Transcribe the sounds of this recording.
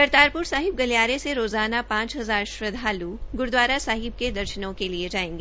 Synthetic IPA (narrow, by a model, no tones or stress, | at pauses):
kɐɾt̪aːɾpʊɾsaːɦɪb̚ɡɐljaːɾeseɾoːzaːnapãːt͡ʃɦɐzaːɾʃɾɐd̪ʱaːluɡʊɾd̪waːɾasaːɦɪb̚ked̪ɐɾʃnõkelied͡ʒaːẽːŋɡeː